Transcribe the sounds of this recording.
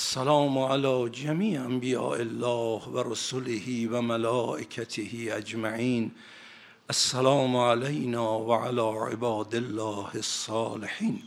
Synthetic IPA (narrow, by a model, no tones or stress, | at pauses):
ʔasːalɑːmoʕalɒːd͡ʒamiːʔambijɑ̰ːʔelːɒːhʋaɾosolehiːvæmalɒːʔekʰat̪ʰehiːad͡ʒmaʕiːn | ʔasːalɑːmʕalajnɒːvaʕalɒːʕḛbɑːd̪elːɒːhesːɑːleħiːn